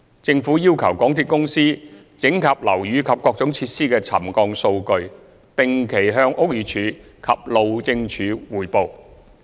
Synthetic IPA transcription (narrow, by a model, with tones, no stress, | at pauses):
t͡sɪ˧ŋfuː˨˥jiː˥wkʰɐ˨˩wkɔː˨˥ŋt̪ʰiː˨˧t̚kʊ˥ŋsiː˥ | t͡sɪ˨˥ŋkʰɐ˨p̚lɐ˨˩wjyː˨˧kʰɐ˨p̚kɔː˧k̚t͡sʊ˨˥ŋt͡sʰiː˧t̚siː˥kɛː˧t͡sʰɐ̰˨˩mkɔː˧ŋso˧wkɵ˧ɥ | t̪ɪ˨ŋkʰe˨˩jɦœː˧ŋʔʊ˥k̚jiː˨˧t͡ʃʰyː˨˥kʰɐ˨p̚lo˨wt͡sɪ˧ŋt͡ʃʰyː˨˧wuː˨˩jpo˨˧w